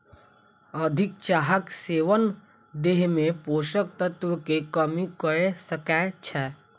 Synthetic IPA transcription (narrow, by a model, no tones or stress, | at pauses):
əd̪ʱɪk̚t͡ʃaːɦəkseːʋən | d̪eːɦmẽpoːʃək̚t̪ət̪wəkekəmikəesəkɛt͡ʃʰɛː